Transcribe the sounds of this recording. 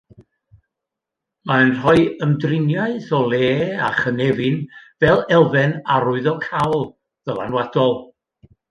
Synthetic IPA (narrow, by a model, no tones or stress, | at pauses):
manr̥ɔɨəmdrɪnjaɨθɔlˠeːaχənɛvɨnvɛlˠɛlˠvɛnaɾʊɨðɔkʰawlˠ | ðəlˠa̰nwad̥ɔlˠ